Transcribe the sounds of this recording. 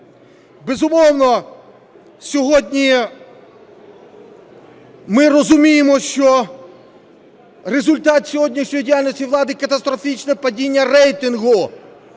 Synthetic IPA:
bezʊmɔwnɔ | sʲɔɦɔdʲnʲi | mɪrɔzʊmʲijemɔʃt͡ʃɔ | rezʊlʲt̪ɑt̪sʲɔɦɔdʲnʲiʃnʲɔjidʲijalʲnɔsʲiʋlˠɑd̪ɪkɐt̪ɐst̪ɾɔfʲit͡ʃnɛpɐdʲinʲːɐrɛjt̪ɪnɦʊ

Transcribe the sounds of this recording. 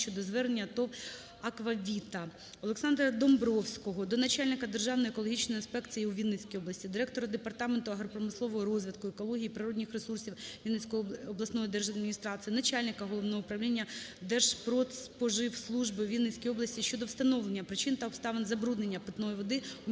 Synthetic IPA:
t͡ʃɔd̪ɔzʋɛɾnʲːɐt̪ɔʋ | ɐkʋɐʋʲit̪ɐ | ɔlˠeksɑnd̪ɾɐd̪ɔmbɾɔwsʲkɔɦɔd̪ɔnɐt͡ʃalʲnɪkɐd̪e̞rʒɑwnɔjekɔlˠɔɦit͡ʃnɔjinspɛk̪t͡s̪ɨjiuʋʲid̪net͡sʲkijɔblˠɐsʲtʲid̪ɪɾɛk̚t̪ɔɾɐd̪epɐrt̪ɑment̪ʊɐɦɾɔpɾɔmɪslˠɔʋɔɦɔɾɔzʲʋʲɪd̪kʊekɔlˠɔɦʲijipɾɪɾɔdʲnʲɪxresursʲiwʋʲinesʲkɔɔblˠɐsnɔjid̪ɛrʒɐd̪mʲinʲist̪ɾɑsɨjinɐt͡ʃalʲnɪkɐɦɔlˠɔʋnɔɦɔʊpɾɐʋwlʲinʲːɐd̪ɛrʒ̥pɾɔpɔʒɪwslˠuʒbɪwʋʲid̪net͡sʲkijɔblˠɐsʲtʲiʃt͡ʃɔd̪ɔwst̪ɐnɔʋlˠenʲːɐpɾɪt͡ʃɪnt̪ɐɔpst̪ɑʋenzɐbɾud̪nenʲːɐpɪt̪nɔjiʋɔd̪ɪ

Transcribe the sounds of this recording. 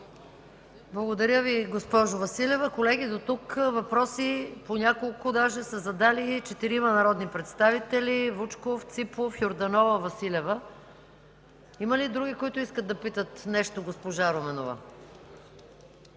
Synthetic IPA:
blˠɐɡod̪ɐɾʲjəviɡospɔʒʊvɐsilɛvəkolɛɡʲid̪ot̪ukvɐpɾɔsiponʲakolˠkʊd̪aʒɛsəzɐd̪alit͡ʃɛt̪iɾimɐnɐɾɔd̪nipɾɛt̪st̪avit̪ɛlivut͡ʃkoft̪sipofjoɾd̪ɐnɔvəvɐsilʲɛvə | imɐlid̪ɾuɡ̟ʲikoit̪ʊiskəd̪ːɐpit̪ət̪nɛʃt̪oɡospoʒaɾomɛnovə̰

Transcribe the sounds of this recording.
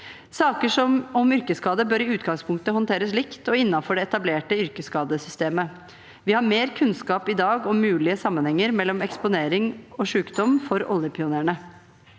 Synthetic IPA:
sɑːkəʂɔmɔmʏɾkəskɑːd̪əbøːɾɪʉːt̪ɡɑŋspʰʊŋkt̪əɦɔnt̪ʰeːɾəslɪkt̪ɔɪnːɑfɔɖɛɛt̪ɑbleːʈəʏɾkəskɑːd̪əsʏst̪eːmə | ʋɪhɑɾmeːɾkʰʉnskɑːpɪd̪ɑːɡɔmʉːlɪəsɑmːənhɛŋːəɾmɛlːɔmɛkspʊneːɾɪŋɔʂʉːkd̪ɔmfɔɾɔ̰ljəpʰɪʊnæːɳə

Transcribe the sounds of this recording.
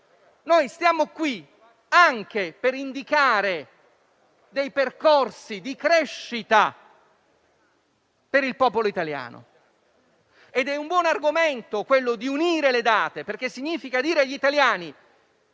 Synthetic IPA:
nojst̪jaːmokwi | aŋk̟epeɾind̪ikaːɾe | d̪ejperkorsid̪ikɾɛʃːit̪a | peɾilpɔːpoloit̪alja̰ːno̰ | ed̪ɛumbwɔːnarɡoment̪okwelːod̪iuniːɾeled̪aːt̪eperk̟esːiɲːiːfikad̪iːɾeaʎːit̪aljaːni

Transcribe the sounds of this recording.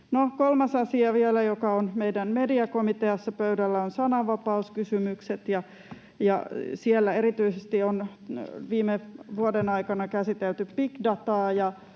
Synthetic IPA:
nokolmɑsɑsiɑʋielæjokɑonmeidænmediɑkomit̪eɑsːɑpøydælːæonsɑnɑʋɑpɑuskysymykset̪jɑ | jɑ̰sielːæeɾit̪yisest̪ion | ʋiːmeʋuodenɑikɑnɑkæsit̪elt̪yppikdɑt̪ɑːjɑ

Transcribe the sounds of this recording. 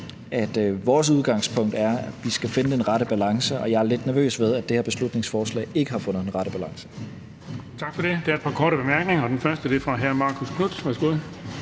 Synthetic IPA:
ʔæd̥ʋɒːs̬uð̞ˠɡ̥ɑ̈ŋspʰɔ̽ŋ̰d̥æɐ̥ʋisɡ̥æfe̝nəe̝nʁɑ̈ɾəb̥ælɑ̈ŋsəʔɒ̽jɑ̈æɐle̝d̥næɐø̰ːsʋeð̞ˠæd̥e̝heɐb̥e̝slud̥ne̝ŋsfɒːslɛ̰ːe̝ɡ̥əhɑ̈fɔ̽nð̩ˠenʁɑ̈ɾəb̥ælɑ̈ŋsə̥ | t͡sʰɑ̈ɡ̥fɒ̽ɾe̝d̥e̝æɐed̥̚pʰɑ̈kʰɒːɾəb̥e̝mæɐɡ̥ne̝ŋɐɒ̽d̥enfɶɐsd̥əd̥efʁɑ̈ɦæɐmɑ̈ːkʰuskʰnud̥ʋæɐsɡ̥o̝ð̰ˠ

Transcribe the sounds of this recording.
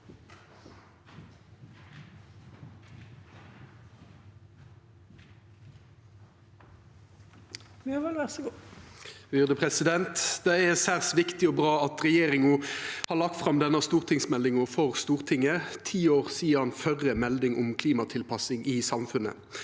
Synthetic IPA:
ʋiɑɑlʋæʁsɡ | ʋʏʁd̪əpʰʁɛsɪd̪ɛnt̪d̪̥ɛɛsæːʁsʋɪkt̪ɪɔbʁɑːɑt̪ʁɛjeːʁɪŋɔhɑːlɑk̚t̪fʁɑmd̪ɛnəst̪uːʁt̪ʰɪŋsmɛld̪ɪŋɔfɔʁst̪uːʁt̪ʰɪŋːət̪ʰiːoːʁsiːəɑnfœʁəmɛld̪ɪŋɔmkʰliːmɑt̪ʰɪlpʰɑsɪŋʔɪsɑmfʉnə̰

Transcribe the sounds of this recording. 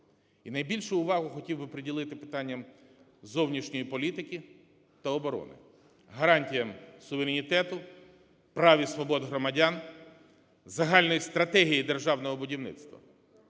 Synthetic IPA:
inɐjbʲilʲʃʊːʋɑɦʊxɔtʲiwbɪpɾedʲilˠɪt̪ɪpɪ̥t̪ɑnʲːɐm | zɔwnʲiʃnʲɔjipɔlʲit̪ɪkʲi | t̪ɐɔbɔɾɔ̰nɪ̰ | ɦɐɾɑnʲtʲijɐmsʊʋeɾʲenʲit̪ɛt̪ʊ | pɾɑʋʲisʋɔbɔd̪ɦɾɔmɐdʲɑn | zɐɦɑlʲnɔjist̪ɾɐt̪ɛɦʲijid̪erʒɑwnɔɦɔbʊdʲiwnɪ̰t̪st̪ʋɐ̰

